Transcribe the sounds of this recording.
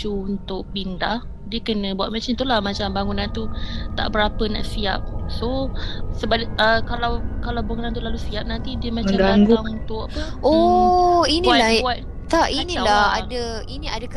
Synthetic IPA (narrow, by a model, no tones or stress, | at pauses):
t͡ʃuunt̪ʊʔ̚bindah | diəkənə̃buat̪̚mat͡ʃant̪ulahmat͡ʃambaŋunant̪ut̪a̰ʔbəɾapəna̰ʔsia̰p̚sosəbaəkalawkalawbaŋunant̪ulalusiap̚nant̪idiəmamət͡ʃaɡaaŋɡʊaŋunt̪ʊʔapəɔ | inĩalabuat̪̚ | t̪aʔinĩlaa̰də | inĩadəkə